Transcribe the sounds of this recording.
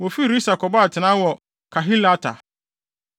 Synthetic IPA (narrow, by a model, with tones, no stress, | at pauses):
wɔ˨fi˦˨ɾi˦sa˨kʰɔ˨ba˦a˨tʰɪ˨nã˦wɔ˨ | kʰa˨ɦi˦la˦tʰa̰˨